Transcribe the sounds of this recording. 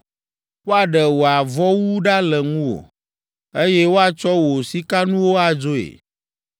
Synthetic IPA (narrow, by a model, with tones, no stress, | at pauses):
wo˦a˨ɖə˨wo˨a˨vɔ˦wu˦ɖa˦lə˨ŋũ˦o̰˨ | e˦jɛ˦wo˦a˨t͡ʃɔ˦wo˨si˦ka˦nũ˦wo˦a˨d͡ʒo˦ḛ˨